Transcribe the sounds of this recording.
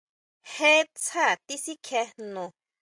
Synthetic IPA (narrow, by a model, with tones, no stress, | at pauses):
he˦t͡sʰa˦˨t̪i˦si˦kʰe˧nõ˨